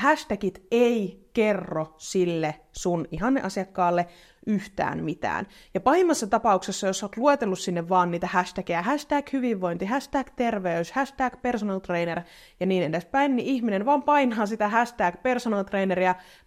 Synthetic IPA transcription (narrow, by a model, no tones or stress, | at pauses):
hæst̪ækit̪eikerːosilːe | suniɦɑnːḛʔɑsiɑkːɑːlːe | yht̪æ̰ːmmit̪æ̰ːn | jɑpɑhimːɑsːɑt̪ɑpɑuksesːɑjosːoːt̪luet̪elːussinːeʋʋɑːnːiːt̪æhæst̪ækejæhæst̪æːkhyʋiʋːoint̪iɦæst̪æːkt̪erʋeyshæst̪æːkpersonɑlt̪reːner | jɑniːnenespæinːiʔihminenʋɑːmpɑinɑːsit̪æhæst̪æːkpersonɑlt̪reːneɾiæ